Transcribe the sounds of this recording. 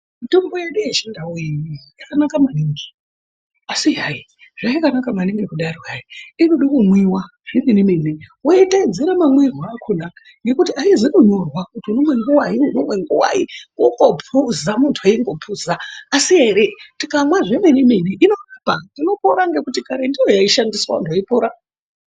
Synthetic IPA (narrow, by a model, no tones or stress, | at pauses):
mito̞mbo̞je̞ɗujet͡ʃindawuiijakanakamaniŋɡi̥ | asiɦai | ʐaikanakamaniŋɡekuɗarwaiinuɗokumwiwa | ʐ̥eminiminiwoitaid͡ziɾamamwirwakʰunaa | ŋɡe̞kutiaizinoɲo̞rwakutiuno̞mwe̞ŋɡuwaɦiunomwe̞ŋɡuwa̰ikukopʰuzamuntʰuaiŋɡo̞pʰuzaːsie̞ɾetikamwaʐemenimineʔino̞rapadino̞poɾaŋɡe̞kutikaɾendijo̞jaiʃandiswa̰ndoipoɾa